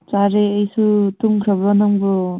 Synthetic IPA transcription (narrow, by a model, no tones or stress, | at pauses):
t͡ʃaɾeːjsutuŋkʰɾəbɾanaŋbɯ